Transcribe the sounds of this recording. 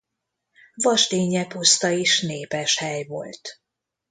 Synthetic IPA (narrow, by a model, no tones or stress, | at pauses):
vɒʃt̪eːɲɛpust̪ɒeːʃneːpɛʃhɛjvo̞̰lt̪